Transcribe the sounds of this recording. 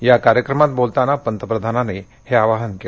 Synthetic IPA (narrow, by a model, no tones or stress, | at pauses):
jakaɾjəkɾəmat̪̚bolt̪anapənt̪əpɾəd̪ʱanane | heaʋaɦənke